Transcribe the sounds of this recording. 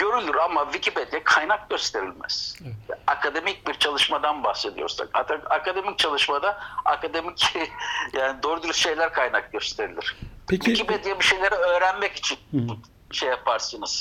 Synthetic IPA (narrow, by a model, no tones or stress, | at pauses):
ɟø̞ɾylʲyɾamavicʰipe̞d̪ijɛkʰajnak̚ɟø̞st̪ʰe̞ɾilʲmæ̰z̥akʰad̪e̞mic̚biɾt͡ʃʰalˠɯʃmad̪anbahse̞d̪ijo̞ɾsa̰ka̰aakad̪e̞mic̚t͡ʃʰalˠɯʃmad̪aa̰kad̪emic | jaːnid̪oːɾud̪yɾysʃe̞jlʲæɾkʰajnak̚ɟøst̪ʰe̞ɾilʲiɾ̥viciped̪ijɛbiʃe̞jlʲe̞ɾɛø̞ːɾænmɛci̥t͡ʃʰin | ʃejapʰaɾsɯnɯz̥